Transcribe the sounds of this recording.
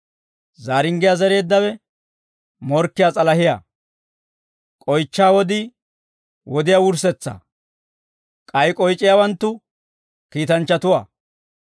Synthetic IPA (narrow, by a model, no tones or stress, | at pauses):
zaːɾɪŋɡɪjazɛɾe̞ːd̪ːɐwɛ | mɔɾkːɪjat͡sʼɐlɐhɪja̰ː | kʼɔjt͡ʃːaːwɔd̪ɪ | wɔd̪ɪjawʊɾsɛt͡sːɐ̰ | kʼɐjkʼɔjt͡ʃʼːɪjawɐnt̪ːʊ | kiːt̪ɐnt͡ʃːɐt̪ʊwa̰ː